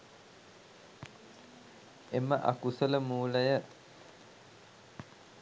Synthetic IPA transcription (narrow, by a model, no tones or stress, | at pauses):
eməʔa̰kusələmuːləjə